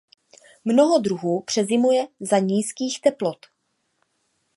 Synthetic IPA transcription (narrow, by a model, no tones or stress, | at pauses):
mnoɦodɾuɦuːpr̝̥ɛzɪmujɛzaɲiːskiːxt̪ɛplot̪